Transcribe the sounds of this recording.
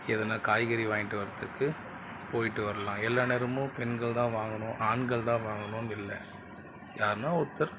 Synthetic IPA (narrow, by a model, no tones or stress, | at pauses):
ɛðɐnaːkaːjɣɐɾiʋaːŋɪʈːɯʋɐɾɐt̪ːɯkːɯ | poːjɪʈːɯʋɐɾɐlãːɛlːaːnɛɾɯmʊ̃pɛnɡɐɭt̪ãːʋaːŋɡɐnʊ̃ʔaːnɡɐɭt̪ãːʋaːŋɡɐnʊ̃nɪlːɐ̰ | jaːɾnãːɔt̪ːɐɾ